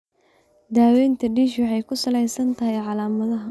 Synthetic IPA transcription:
d̪aːwɛjnt̪ʰɐɖiːʃwɑħɛjkʰʊsɐlɛjsɐnt̪ʰɐɦɛjʕɑlaːmɐðɐɦɐ

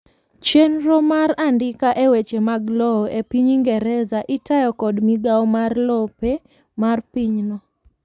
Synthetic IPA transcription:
t͡ʃenɾɔmaɾandɪkaʔewet͡ʃemaɡlɔepiɲiŋɡɛɾɛzaʔɪtajɔkɔdmiɡawmarlɔpe | marpiɲnɔ

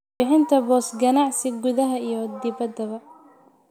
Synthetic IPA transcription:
ɪħɪnt̪ʰɐbɔːsɡɐnɑʕsɪɡʊðɐɦɐijɔd̪ɪβɐd̪ɐβɐ

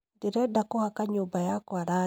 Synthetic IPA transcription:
deɾɛdakohakaɲobajakwaɾa

